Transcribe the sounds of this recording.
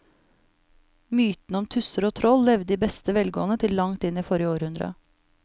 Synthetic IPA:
myːt̪n̩ɔmt̪ʰʉsəɾoːt̪ʰɾɔlːɛʋd̪iːbɛst̪əʋɛlɡo̰ːənət̪ʰɪllɑŋt̪ɪniːfɔɾɪəoːɾhʉnd̪ɾɑ̰

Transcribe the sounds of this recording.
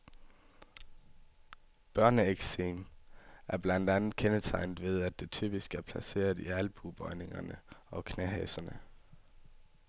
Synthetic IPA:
b̥ɶɐnəeɡ̥seːmæɐb̥læn̰d̥ænð̩ˠkʰenət͡sʰɑ̈ɪ̰nd̥ʋe̝ð̞ˠæd̥e̝t͡sʰy̰ːb̥isɡ̥æɐpʰlæse̝̰ːɐð̩ˠiælb̥ub̥ɒ̽ɪne̝ŋɐnəɒ̽kʰnæɦɛ̰sɐnə

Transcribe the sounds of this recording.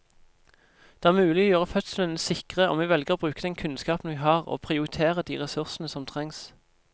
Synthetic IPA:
d̪̥eːæːʁmʉːlɪɡoːjøːʁəfœt̪slənəsɪkʁəo̰ːmʋɛːʋɛlɡəʁoːbʁʉːkəd̪ɛnkʰʉnskɑːpn̩ʋiːhɑːʁo̰ːpʰʁɪʊʁɪt̪ʰeːʁəd̪iːʁɛsʉʁsn̩əsɔmt̪ʰʁɛŋs

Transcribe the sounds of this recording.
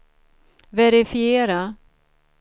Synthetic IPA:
vɛɾɪfɪeːɾa

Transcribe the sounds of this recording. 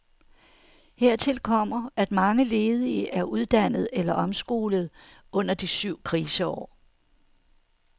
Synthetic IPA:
heɐ̰t͡sʰe̝lkʰɒ̽m̰ɐæd̥mɑ̈ŋəle̝ːð̞ˠiʔæɐʔuð̞ˠd̥æn̰ð̞̩ˠelɐʔɒ̽msɡ̥o̝ːləð̞̩ˠ | ɔ̽n̰ɐd̥isyʊ̰kʰʁiːsəɒ̰ː

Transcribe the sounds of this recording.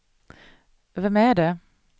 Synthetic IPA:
vɛmæɖɛ

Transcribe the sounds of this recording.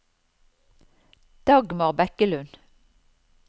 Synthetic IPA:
d̪̥ɑɡmɑʁbɛkəlʉn

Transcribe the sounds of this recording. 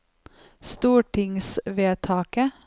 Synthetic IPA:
st̪uːʈʰɪŋsʋeːt̪ʰɑːkə

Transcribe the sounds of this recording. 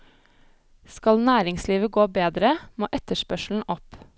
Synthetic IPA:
skɑlnæːɾɪŋsliːʋəɡoːbeːd̪ɾəmoːʔɛt̪əʃpœʃl̩n̩ʔɔp

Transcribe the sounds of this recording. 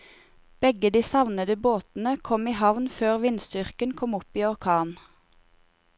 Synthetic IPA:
b̥ɛɡəd̪iːsɑʋnəd̪əboːt̪n̩əkʰɔmiːhɑʋnføːʁʋɪnst̪ʏʁkənkʰɔmʊpiːɔʁkʰɑːn

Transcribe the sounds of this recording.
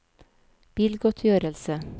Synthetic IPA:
b̥iːlɡɔt̪ʰjøːɾəlsə

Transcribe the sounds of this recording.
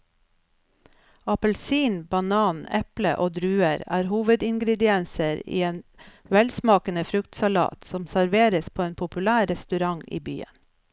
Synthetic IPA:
ɑpəlsiːnbɑnɑːnɛplə̰ʔoːd̪ɾʉːəɾæ̰ːɾhuːʋəd̪ɪŋɡɾɛd̪ɪɛnsəɾḭːeːn | ʋɛlsmɑːkənəfɾʉkt̪sɑlɑ̰ːt̪sɔmsæɾʋeːɾəspʰoːeːnpʰʊpʉlæːɾɾɛst̪ʉɾɑŋḭːby̰ːə̰n

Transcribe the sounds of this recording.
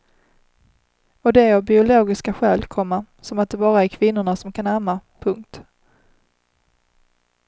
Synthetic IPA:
ɔd̪ɛɔbɪʊloːɡɪskaɧɛːlkʰɔmːa | sɔmat̪̚d̪ɛbɑːɾaæɾkʰvɪnːʊɳasɔmkʰanamapʰɵŋkt̪

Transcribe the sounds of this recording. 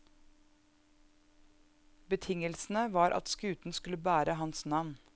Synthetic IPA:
bət̪ʰɪŋəlsn̩əʋɑːɾʔɑ̰t̪skʉːt̪n̩skʉləbæːɾəɦɑnsnɑʋn

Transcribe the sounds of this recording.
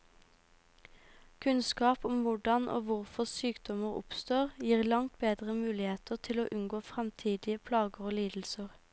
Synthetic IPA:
kʰʉnskɑːpʊmʋʊɖɑnʔo̰ːʋʊʁfɔʁsyːkd̪ɔməʁʊ̰pst̪oːʁjiːʁlɑŋt̪̚beːd̪ʁəmʉːlɪheːt̪əʁt̪ʰɪloːʔʉnɡoːfʁɛmt̪ʰiːd̪ɪəpʰlɑːɡəʁoːliːd̪l̩səʁ

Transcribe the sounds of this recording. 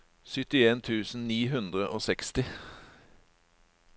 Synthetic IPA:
sʏt̪ɪeːnt̪ʰʉːsn̩niːɦʉnd̪ʁəʔoːsɛkst̪ɪ

